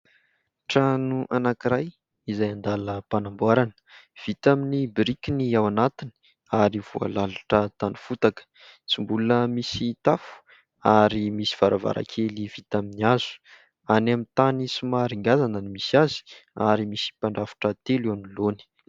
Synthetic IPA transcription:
ʈ͡ʂanuʔanakiɾaj | izajand̪aləpanambuaɾanə̥v̥it̪aminibiɾikiniawanat̪ini̥ | aɾiv̥ua̰laluʈ͡ʂət̪anufut̪akə̥ | t͡simbulunəmisit̪afu̥ | aɾimisi̥v̥aɾava̰ɾa̰kʰelivit̪aminiaz̥u̥ | anamint̪anisimaɾiŋɡazanənimisiazi̥a̰ɾimisi̥paɳɖ͡ʐafḁʈ͡ʂət̪elianiloni̥

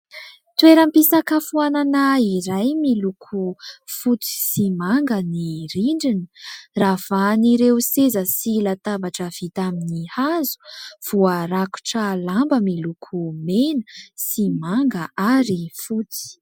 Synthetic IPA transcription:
t̪weɾampisakəfuananaiɾajmilukʰufut͡si̥simaŋɡəniɾiɳɖ͡ʐinə̥ravaniɾeusezəsilat̪abaʈ͡ʂəv̥it̪aminihazu̥v̥uaɾaku̥ʈ͡ʂəlambəmilukʰumenəsimaŋɡəʔaɾifut͡s̪i̥

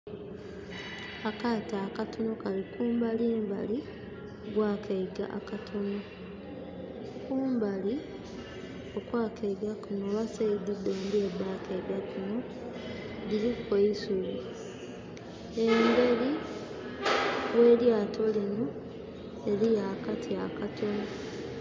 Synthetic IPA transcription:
akataːkatono̞kalikuːmbaliːmba̰li | ɡwaːkʰeiɡa̰ʔa̰katʰono | kuːmbali | o̞kwaːkʰeiɡakunoβasaid̪udːoːndiedaːkeiɡakino̞ | ɡilikweisuli | embe̞li | we̞ːljaːtʰo̞lino | elijakatʰiakatʰo̞no

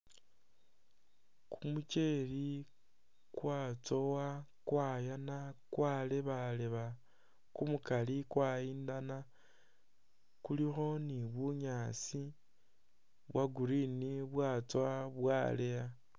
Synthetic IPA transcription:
kʰumut͡ʃe̞li | kwaːt͡so̞wakwaːjanakwaleβaleβa | kumukalikwaiːndana | kulixo̞niβuɲaːt͡si | βwaɡuɾiniβwaːt͡swaβwaleja

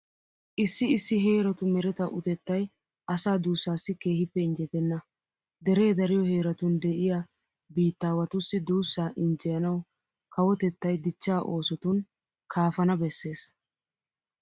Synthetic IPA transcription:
ʔɪsːɪɪsːɪɦe̞ːɾɐt̪ʊmɛɾɛt̪ɐʔʊt̪ɛt̪ːɐj | ɐsaːd̪uːsːaːsːɪke̞ːhɪpːɛɪnd͡ʒɛt̪ɛnːɐ | d̪ɛɾe̞ːd̪ɐɾɪjɔhe̞ːɾɐt̪ʊnd̪ɛʔɪja | biːt̪ːaːwɐt̪ʊsːɪd̪uːsːaːʔɪnd͡ʒɛjɐnɐw | kɐwɔt̪ɛt̪ːɐjd̪ɪt͡ʃːaːʔo̞ːsɔt̪ʊn | kʰaːfɐnɐbɛsːe̞ːs

